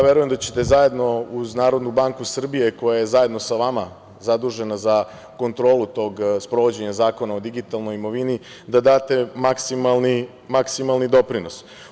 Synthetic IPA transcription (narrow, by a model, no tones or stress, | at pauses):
aʋjeɾuje̞md̪at͡ɕe̥t̪e̞zaje̞d̪no̞uznaːɾo̞d̪nubaŋkusr̩bije̞ko̞jajezaje̞d̪no̞saʋama | zad̪uʒe̞naza | ko̞nt̪ɾo̞ːlˠut̪o̞ɡspɾo̞ʋo̞d͡ʑe̞ɲazaːko̞nao̞d̪iɡit̪alˠno̞jimo̞ʋini | d̪ad̪aːt̪e̞maksimalˠni | maksimalˠnid̪o̞pɾino̞s